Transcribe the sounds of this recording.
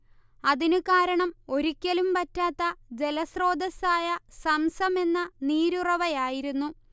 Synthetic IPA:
ɐðinɨkaːɾɐɳɐmo̞ɾikʲːɐlumpɐtːaːt̪ːɐd͡ʑe̞lɐsro̞ːd̪ɐsaːjɐsɐmsɐme̞nːɐniːɾurɐʋɐjaːjiɾunːu

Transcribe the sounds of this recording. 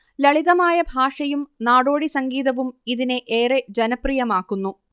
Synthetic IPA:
lɐɭiðɐmaːjɐbʱaːʂɐjumnaːɽo̞ːɽisɐŋɡiːðɐʋumiðineʔeːred͡ʑɐnɐprijɐmaːkːunːu

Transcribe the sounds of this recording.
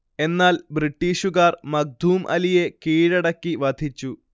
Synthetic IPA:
e̞nːaːlbriʈːiːʂuɣaːrmɐɡ̚d̪ʱuːmʔɐ̰lije̞kiːɻɐɽɐkːiʋɐd̪ʱit͡ɕːu

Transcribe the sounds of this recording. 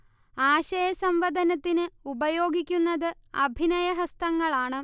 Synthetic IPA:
aːɕɐjɐsɐmʋɐd̪ʱɐnɐt̪ːinɨubɐjo̞ːɡikʲːunːɐðɨɐbʱinɐjɐɦɐst̪ɐŋːɐɭaːɳɨ

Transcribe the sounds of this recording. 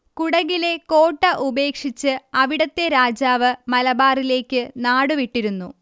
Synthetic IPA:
kuɽɐɣile̞ko̞ːʈːɐʔube̞ːkʂit͡ɕːɨɐʋiɽɐt̪ːe̞ɾaːd͡ʑaːʋɨmɐlɐbaːrile̞ːkʲːɨnaːɽuʋiʈːiɾunːu

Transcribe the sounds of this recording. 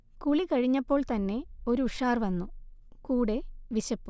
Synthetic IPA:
kuɭikɐɻiɲːɐpːo̞ːɭt̪ɐnːe̞o̞ɾuːʂaːrʋɐnːukuːɽe̞ʋiɕɐpːu

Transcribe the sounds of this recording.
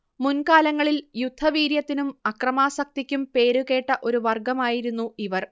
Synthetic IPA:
munkaːlɐŋːɐɭiljud̪ʱːɐʋiːɾjɐt̪ːinumɐkrɐmaːsɐk̚t̪ikʲːumpe̞ːɾuɣe̞ːʈːɐʔo̞ɾuʋɐrɡɐmaːjiɾunːuiʋɐr

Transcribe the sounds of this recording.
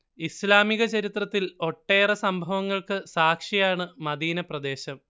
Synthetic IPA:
islaːmiɣɐt͡ɕɐɾit̪rɐt̪ːilo̞ʈːe̞ːrɐsɐmbʱɐʋɐŋːɐɭkɨsaːkʂijaːɳɨmɐd̪iːnɐprɐd̪e̞ːɕɐm

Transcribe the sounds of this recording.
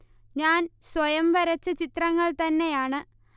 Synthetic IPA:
ɲaːnswɐjɐmʋɐɾɐt͡ɕːɐt͡ɕit̪rɐŋːɐɭt̪ɐnːe̞jaːɳɨ

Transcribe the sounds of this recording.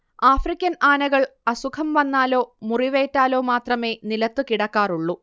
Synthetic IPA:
aːfrikʲːɐnaːnɐɣɐɭɐsukʰɐmʋɐnːaːlo̞ːmuriʋeːtːaːlo̞ːmaːt̪rɐme̞ːnilɐt̪ːɨkiɽɐkːaːruɭːu

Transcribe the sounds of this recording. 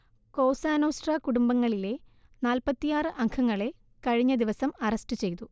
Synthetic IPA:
ko̞ːsaːnoːsʈrɐkuɽumbɐŋːɐɭile̞ | naːlpɐt̪ːijaːrɨʔɐŋkʰɐŋːɐɭe̞ | kɐɻiɲːɐd̪iʋɐsɐmɐrɐstɨt͡ɕe̞jt̪u

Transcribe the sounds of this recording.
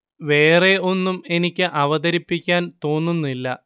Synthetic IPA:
ʋe̞ːre̞o̞nːume̞nikʲːɨʔɐʋɐðɐɾipːikʲːaːnt̪o̞ːnːunːilːɐ̰

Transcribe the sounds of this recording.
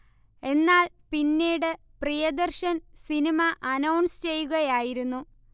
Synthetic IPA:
e̞nːaːl | pinːiːɽɨ | prijɐd̪ɐrɕɐnsinimɐʔɐnɐwɳst͡ɕe̞jːuɣɐjaːjiɾunːu

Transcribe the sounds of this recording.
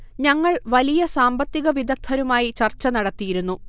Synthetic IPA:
ɲɐŋːɐɭʋɐlijɐsaːmbɐt̪ːiɣɐʋid̪ʱɐk̚t̪ʰːɐɾumaːjit͡ɕɐrt͡ɕːɐnɐɽɐt̪ːijiɾunːu

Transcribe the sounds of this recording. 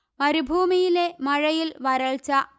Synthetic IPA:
mɐɾubʱuːmijile̞mɐɻɐjilʋɐɾɐɭt͡ɕɐ

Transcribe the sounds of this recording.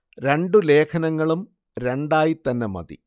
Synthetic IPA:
ɾe̞ɳɖule̞ːkʰɐnɐŋːɐɭum | ɾe̞ɳɖaːjit̪ɐnːemɐ̰d̪ḭ

